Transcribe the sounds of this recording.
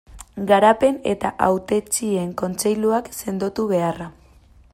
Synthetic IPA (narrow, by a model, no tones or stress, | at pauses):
ɡaɾape̞ne̞̰t̪aʔawt̪e̞t͡ʃie̞ŋko̞nt͡se̞jluakse̞nd̪o̞t̪uβ̞e̞ara